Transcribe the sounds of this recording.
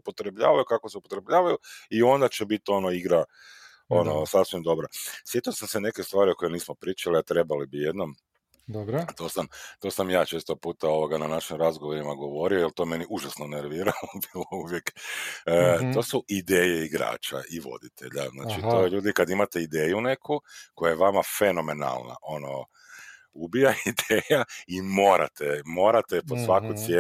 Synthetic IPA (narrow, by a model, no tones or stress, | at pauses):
upo̞t̪ɾe̞bʎa̰ːʋajukakoseupot̪ɾebʎaːʋajuio̞nd̪at͡ʃebit̪o̞noiɡɾa | onosasʋimd̪o̞bɾasʋjet̪osamsene̞kest̪ʋaːɾioko̞jeniːsmopɾiːt͡ʃaliat̪ɾe̞balibijed̪no̞m | d̪obɾt̪o̞ːsamt̪o̞samjaːt͡ʃe̞ːst̪opuːt̪ao̞ʋoɡananaʃimɾazɡoʋoɾimaɡo̞ʋo̞ɾiojelˠt̪o̞me̞niʔuʒasnoneɾʋiːɾaobilˠouʋjekː | t̪o̞ːsuʔid̪eːjeiɡɾa̰ːt͡ʃa̰ʔiʋo̞̰d̪it̪ʰe̞̰ʎazna̰ːt͡ʃit̪o̞ːjeʎuːd̪ikad̪imat̪e̞id̪eːjune̞kʰuko̞jajeʋamafe̞no̞me̞na̰lˠna̰ʔo̞no | ubijaid̪eːjaimo̞ːɾa̰t̪emo̞ːɾat̪eposʋakut̪sje